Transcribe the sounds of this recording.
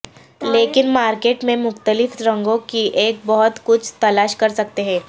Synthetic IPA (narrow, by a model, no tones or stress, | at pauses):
leːkɪnmaːɾkeːʈmẽmʊxt̪əlɪfɾɐ̃ŋɡõkiʔeːk̚bɔɦʊt̪kʊt͡ʃʰt̪ɐlaːʃkɐɾsɐk̚t̪eɦɛ̃ː